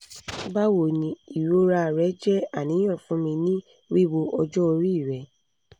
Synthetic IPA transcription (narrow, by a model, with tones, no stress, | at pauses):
ba˦wo˨nĩ˧˦i˨ɾo˦ɾa˧˨ɾɛ˨˦d͡ʒɛ˦a˦˨nĩ˨˦ɔ̃˦˨fũ˨˦mĩ˧nĩ˦ | wi˦˨wo˧ʔɔ˧d͡ʒɔ˦o˧ɾi˦˨ɾɛ˨˦